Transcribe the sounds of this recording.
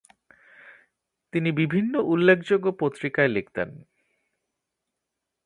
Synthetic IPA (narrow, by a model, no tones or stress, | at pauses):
t̪inibibʱinːoʔulːekʰd͡ʑoɡopot̪ːɾikaelekʰt̪ḛn